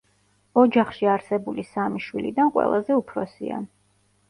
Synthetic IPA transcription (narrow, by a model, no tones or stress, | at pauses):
ɔd͡ʒaχʃiaɾsɛbulisamiʃwilḭd̪anqʼwɛ̰lˠazɛupʰɾɔsḭa̰